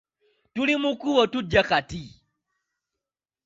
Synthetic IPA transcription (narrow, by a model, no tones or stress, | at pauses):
tulimukuwotuɟːaxati